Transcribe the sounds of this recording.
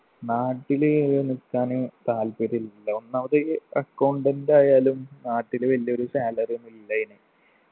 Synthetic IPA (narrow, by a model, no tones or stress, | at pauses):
naːʈːilenikːaːnɨt̪aːlpeɾilːɐonːɐʋɐðeɐkːɐwɳɖendaːjaːlumnaːʈːilɨʋɐlːio̞ɾusaːlɐrenilːɐjinɨ